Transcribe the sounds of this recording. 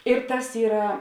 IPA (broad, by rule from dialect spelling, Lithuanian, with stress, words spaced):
ɪr ˈtɐs ˈiːrɐ